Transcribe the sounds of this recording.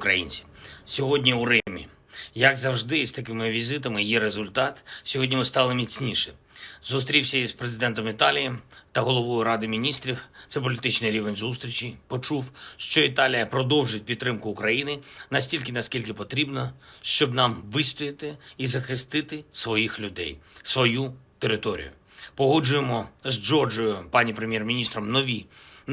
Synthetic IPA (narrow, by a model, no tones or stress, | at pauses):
kɾɐ̰jḭnʲt͡sʲi̥sʲɔɦɔdʲnʲiʊɾɛmʲḭ | jɐɡzɐwʐd̪ɪst̪ɐkɪmɪʋʲizɪt̪ɐmɪjɛɾezʊlʲt̪ɑt̪sʲɔɦɔdʲnʲimɪst̪ɑlˠɪmʲit͡sʲnʲiʃɛ | zʊst̪ɾʲiwsʲɐizpɾezɨɪd̪ɛnt̪ɔmit̪ɑlʲijit̪ɐɦɔlˠɔʋɔjʊɾɑd̪ɪmʲinʲist̪ɾʲiwt̪sɛp̬ɔlʲit̪ɪt͡ʃnɪjɾʲiʋenʲzust̪ɾʲit͡ʃʲipɔt͡ʃuwʃt͡ʃɔit̪ɑlʲijɐpɾɔd̪ɔwʒʊt̚ʲpʲid̪̚t̪ːɾɪmkʊːkɾɐjinɪnɐsʲtʲilʲkɪnɐsʲkʲilʲkɪpɔt̪ɾʲibnɔʃt͡ʃɔbnɑmʋɪst̪ɔjɪt̪ɪːzɐxɪst̪ɪt̪ɪsʋɔjixlʲʊd̪ɛ̰jsʋɔjut̪eɾɪt̪ɔɾʲḭjʊ̰ | pɔɦɔd͡ʒʊjemɔzd͡ʒɔrd͡ʒɔjʊpɑnʲipɾemjɛrmʲinʲist̪ɾɔmnɔʋʲi